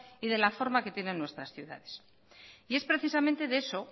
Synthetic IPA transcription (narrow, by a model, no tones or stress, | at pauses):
iðe̞lafo̞ɾmake̞t̪je̞ne̞nːwe̞st̪ɾasθjuða̰ðe̞̥s | ie̞spɾe̞θisamẽnt̪e̞ðeeso̞